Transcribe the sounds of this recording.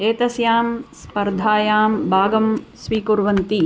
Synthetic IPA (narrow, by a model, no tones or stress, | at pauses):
eːt̪ɐsjaːmspɐɾd̪ʱaːjaːmbʱaːɡɐmsʋiːkuɾʋɐnt̪i